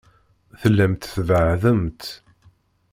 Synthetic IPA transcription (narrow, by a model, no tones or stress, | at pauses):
θəlːæmt̪θðəʕðəmt̪